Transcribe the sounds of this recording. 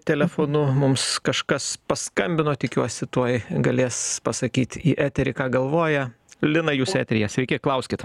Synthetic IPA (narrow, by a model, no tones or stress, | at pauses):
t̪ʲɛlʲɛfoːnʊmʊmskɐʃkɐspɐskɐmʲbʲɪnoːt̪ʲɪkʲuɔsʲɪt̪uɔjɡɐlʲeːspɐsɐkʲiːt̪ʲiːʔæːt̪ʲɛɾʲɪkɑːɡɐlˠʋoːjɛ | lʲɪnɐjuːsæ̰ːt̪ʲɛɾʲɪjɛsʲʋʲɛɪkʲɪklˠɐʊsʲkʲɪt̪